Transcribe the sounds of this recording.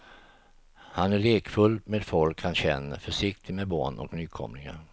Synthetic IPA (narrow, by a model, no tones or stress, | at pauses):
hanæɭeːkfɵlmeːd̪fɔlkhanɕɛnːə̰fœʂɪk̚t̪ʰɪmebɑ̰ːɳɔ̰knyːkʰɔ̰mlɪŋa̰ɾ